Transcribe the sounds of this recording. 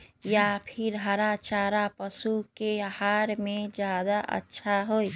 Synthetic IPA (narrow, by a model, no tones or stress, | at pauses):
japʰɪɾɦaɾat͡ʃaːɾapəsukehaːɾmẽd͡ʒjaːd̪aʔə̰tːʃʰaɦoi